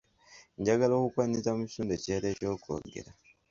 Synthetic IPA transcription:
ɲɟaɡalokukwanisamuci̥suːndeceɾe̞ːco̞ːkʰo̰ːɡe̞̰ɾa

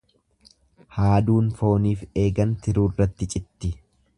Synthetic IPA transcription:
haːd̪uːnfo̞ːniːfe̞ːɡɐnt̪ɪɾuːrːɐt̪ːɪt͡ʃʼɪt̪ːɪ

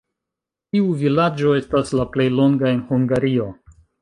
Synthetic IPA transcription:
tiuvilad͡ʒo̞e̞staslaple̞jlo̞ŋɡae̞nhuŋɡaɾio̞

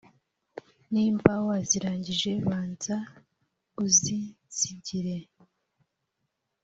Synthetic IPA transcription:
niːmbawaziɾaːɲɟiʒe̞βaːnza | uzi | z̥iɟiɾe̞

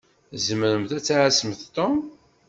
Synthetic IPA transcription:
zəməɾəmθæt͡sːaʕasəmθt̪om

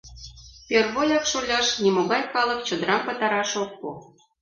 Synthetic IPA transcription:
pʲerβojɑkʃolʲɑʃnʲimoɣɑjkɑlˠɤ̆kt͡ɕə̆d̪əɾɑmpɤ̆t̪ɑɾɑʃok̚po

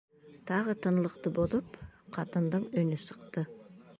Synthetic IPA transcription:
t̪ʰɑʁət̪ʰənlˠəqt̪əbozˠəpqʰɑt̪ənd̪əɴɵnɪsəqt̪ə

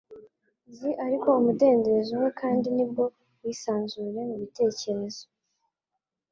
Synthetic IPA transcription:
ziʔaɾiko̞umude̞ːndezuwekʰaːndinib̚ɡo̞ | wiːsaːnzuɾe̞muβite̞ːce̞ɾe̞z̥o̞

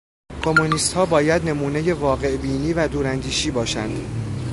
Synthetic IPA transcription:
kʰo̞mːoniːst̪hɒːbɒːjæd̪ne̞muːneje̞vɒːɣe̞ʔbiːniːvæd̪uːɾænd̪iːʃiːbɒːʃænd̪̥

